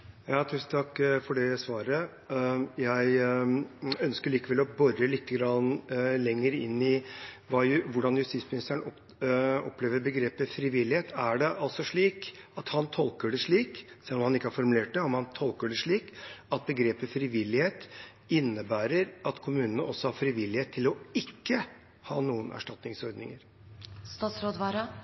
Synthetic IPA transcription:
jɑːt̪ʰʉːsn̩t̪ʰɑkːfɔɖɛsʋɑːɾə | jæɪ | œnskəɭiːkəʋɛlɔbɔɾəlɪk̪ːəɡɾɑnlɛŋːəɾɪnːɪ | ʋɑːjʋʊɖɑnjʉst̪iːtsmɪnɪst̪əəɳɔ | ɔpleːʋəɾbəɡɾeːpəfɾɪʋɪlːɪheːt̪æɖɛʔɑlt̪sɔʂɭiːkɑt̪hɑnt̪ʰɔlkəɖɛʂɭiːksɛlːɔmhɑnɪkːəæɾfɔɾmʉleːʈ̚d̪ɛɔmhɑnt̪ʰɔlkəɖɛʂɭiːkɑt̪̚bəɡɾeːpəfɾɪʋɪlːɪheːt̪ | ɪnːəbæːɾəɾɑt̪kʰʊmʉːnənəɔsːɔhɑɾfɾɪʋɪlːɪheːt̪ʰːɪlɔɪkːə | hɑːnuːənʔæ̰ʂʈɑt̪nɪŋsɔɾd̪nɪŋəɾ | st̪ɑːt̪sɾoːd̪ʋɑɾɑ

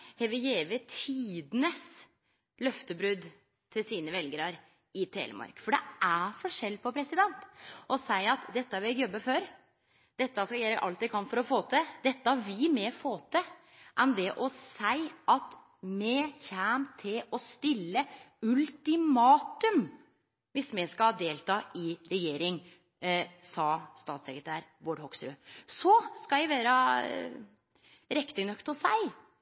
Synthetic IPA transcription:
hɛʋɪjeːʋət̪ʰiːd̪nəs | lœft̪əbɾʉd̪ | t̪ʰɪlsiːnəʋɛlɡəɾɑɾ | ɪt̪ʰḛːlə̰mɑ̰ɾkfɔɖɛʔæfɔʂɛlːpʰɔpʰɾɛsɪd̪ɛnt̪ʔɔsæɪɑt̪d̪ɛt̪ːəʋɪɛkjɔbːəføːɾ | d̪̥ɛt̪ːəskɑjeːɾəʔɑlt̪̚ækʰɑnfɔɾɔfoːt̪ʰəd̪ɛt̪ːəʋɪmɛfoːt̪ʰə | ʔɛnd̪ɛʔɔsæɪʔɑt̪ | mɛçæːmt̪ʰɪlɔst̪ɪlːə | ʉlt̪ɪmɑːt̪ʉm | ʋɪsmɛskɑɑd̪eːlt̪ʰɑːʔɪɾɛjeːɾɪŋ | sɑːst̪ɑːt̪sɛkɾət̪ʰæːɾʋoːɖhɔksɾø̰ːsɔskɑæɪʋæːɾə | ɾɛkt̪ənœkt̪ɔsæ̰ɪ

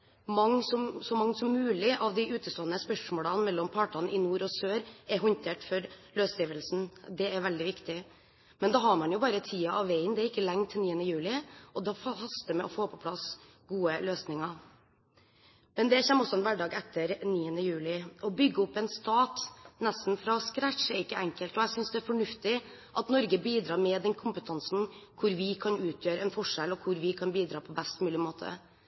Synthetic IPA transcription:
mɑŋːsɔmsɔmɑŋsɔmːʉːlɪʔɑʋd̪ɪʔʉːt̪əst̪oːənəspœʂmoːlɑnmɛlːɔmpʰɑːʈɑnʔɪnuːɾɔsøːɾɛɾɦɔnt̪ʰeːʈfɔɾløːsiːʋəlsn̩d̪ɛæɾʋɛld̪ɪʋɪkt̪ɪ | mɛnd̪ɑɦɑɾmɑnjʊbɑːɾət̪ʰiːɑʔɑʋːæɪnd̪ɛæɾɪkːəlɛŋt̪ʰːɪniːənəjʉːlɪʔɔd̪ɛfɑhɑst̪əmɛʔɔfoːpʰɔpʰlɑs | ɡuːəløːsnɪŋɑ | mɛnd̪ɛçɛmːɔsɔɛnʋæɖɑːɡɛt̪ʰːəɾniːənəjʉːlɪɔbʏɡːəɔpːɛnst̪ɑːt̪nɛst̪n̩fɾɑskɾæʂɛɾɪkːəɛŋkəlt̪ɔɛsʏnsd̪ɛæɾfɔɳʉft̪ɪ | ʔɑt̪nɔɾɡəbiːd̪ɾɑːɾmɛd̪ɛnkʰʊmpət̪ʰɑnsn̩kʰʊɾʋɪkʰɑnʉːt̪ʰjøːɾəɛnfɔʂɛlɔkʰʊɾʋɪkʰɑnbiːd̪ɾɑːpʰɔbɛst̪mʉːlɪmoːt̪ʰə̰

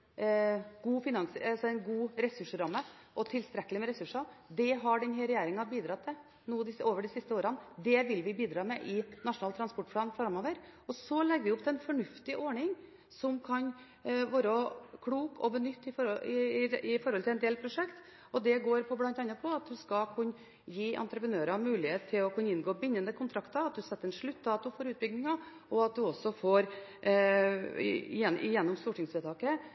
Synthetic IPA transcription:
ɡ̥uːfɪnɑŋsəɑsɔɛnɡuːɾɛsʉʂəɾɑmːə | ʔɔt̪ʰɪlst̪ɾɛkːəlɪmɛɾɛsʉʂɑd̪ɛɦɑɖɛnɦɛɾɛjæːɾɪŋɑbiːd̪ɾɑt̪ʰːɛ | nuːd̪ɪsoːʋəɖɪsɪst̪əoːɾɑnd̪ɛʋɪlʋɪbiːd̪ɾɑːmɛʔɪnɑʂʊnɑlt̪ɾɑnspɔʈːplɑːnfɾɾɑmoːʋəɾɔsɔlɛɡːʋɪʊp̚d̪ɛnfɔɳʉft̪ɪʔɔɳɪŋ | sɔmkʰɑn | ʋoːɾəkʰɽuːkʰɔ̰bənʏt̪ːɪfɔɔɪɪfɔɾhɔlʰɪlɛnd̪eːlpʰɾʊʂɛkt̪ | ɔd̪ɛɡoːɾpʰɔblɑnt̪ɑnːɑpʰɔɑt̪̚d̪ʉskɑkʰʉnː | jiːʔɑ̰nt̪ɾəpɾənøːɾɑmʉːlɪheːt̪t̪ʰːɪlɔkʰʉnəɪnɡoːbɪnːənd̪əkʰʊnt̪ʰɾɑkt̪ɑɑt̪̚d̪ʉsɛt̪ːəɛnʂɭʉt̪ːɑːt̪ʊfoːɾʉːt̪bʏɡ̚nɪŋɑ | ɔɑt̪̚d̪ʉɔsɔfoːɾ | jɛɪjɛnːɔmst̪uːʈɪŋsʋɛːt̪ʰɑːkə

